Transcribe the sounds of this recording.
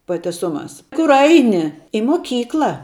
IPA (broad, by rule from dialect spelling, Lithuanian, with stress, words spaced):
pɐ tʲɛˈsʊˌmɑːs ˈkʊr ˈɐɪnʲɪ ɪ moːˈkʲiːklˠɐ